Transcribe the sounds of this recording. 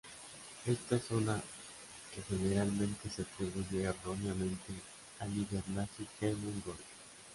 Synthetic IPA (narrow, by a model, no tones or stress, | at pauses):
e̞st̪aesona | kexeneɾalmẽ̞nt̪eseat̪ɾiβuʝeːronjamẽ̞nt̪e | aliβeɾnasikaemund̪oa